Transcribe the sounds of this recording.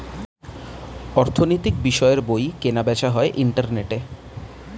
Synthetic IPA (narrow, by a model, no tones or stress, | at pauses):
ɔɾt̪ʰonojt̪ikbiʃɔeɾbojkenabɛt͡ɕʰaɦɔeʔiɳʈaɾneʈe